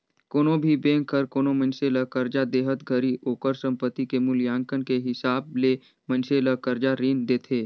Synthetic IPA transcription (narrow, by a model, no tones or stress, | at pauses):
koːnobʱibẽːŋkʰəɾkoːnomə̃nseləkəɾd͡ʒad̪eːɦət̪ɡʱəɾiʔoːkəɾsə̃mpət̪ikemʊljãːŋkənkeɦɪsaːb̚le | mə̃nseləkəɾd͡ʒaɾiːnd̪eːt̪ʰeː